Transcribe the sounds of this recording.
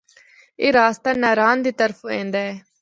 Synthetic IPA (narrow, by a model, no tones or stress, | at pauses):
eːɾaːst̪aːnaːɾaːnd̪iːt̪əɾpʰoẽːnd̪aːɛː